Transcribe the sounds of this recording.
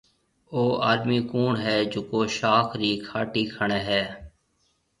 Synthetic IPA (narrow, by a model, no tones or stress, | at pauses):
oːaːd̪miːkuːɳɦɛːd͡ʒʊkoːʃaːkʰɾiːkʰaːʈiːkʰəɳeːɦɛː